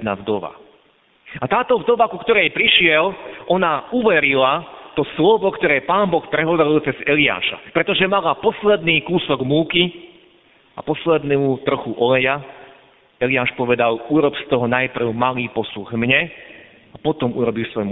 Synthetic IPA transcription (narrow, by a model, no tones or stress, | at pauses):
navd̪ɔʋa̰ | at̪aːt̪ɔvd̪ɔʋakukt̪ɔɾɛjpɾiʃɪɛlʔɔnauʋɛɾilat̪ɔslɔʋɔkt̪ɔɾɛːpaːmbɔxpɾɛɦɔʋɛɾilt͡sɛzɛlia̰ːʃa̰pɾɛt̪ɔʒɛmalapɔslɛd̪niːkuːsɔɡmuːki | apɔslɛd̪nuut̪r̩xuʔɔlɛja | ɛliaːʃpɔʋɛd̪aluɾɔpst̪ɔɦɔnajpr̩ʊmaliːpɔsuɣmɲɛ | apɔt̪ɔmuɾɔbilsʋɔjm